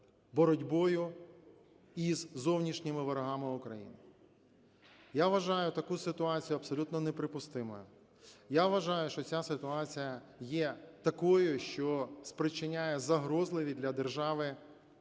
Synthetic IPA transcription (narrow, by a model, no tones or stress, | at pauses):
bɔɾɔdʲbɔjʊ | izzɔwnʲiʃnʲɪmɪʋɐɾɐɦɑmɪʊkɾɐjḭnɪ | jaʋɐʒɑjʊt̪ɐkusɪt̪ʊɑt͡sʲijʊɐpsɔlʲut̪nɔnɛpɾɪpʊst̪ɪmɔ̰jʊ | jaʋʋɐʒɑjʊʃt͡ʃɔt͡sʲasɪt̪ʊɑt͡sʲijɐjɛt̪ɐkɔjʊʃt͡ʃɔspɾɪt͡ʃɪnʲajɛzɐɦɾɔzlˠɪʋʲid̪lʲɐd̪erʒɑʋɪ